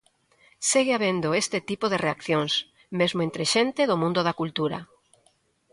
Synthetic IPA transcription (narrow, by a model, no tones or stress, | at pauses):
seɣeaβend̪oest̪et̪ipoðereakθjoŋs | mezmoẽnt̪ɾeʃent̪eðomũnd̪oðakult̪uɾa̰